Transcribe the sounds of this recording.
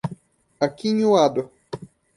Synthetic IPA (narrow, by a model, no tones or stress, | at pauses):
akiɲuad̪ʊ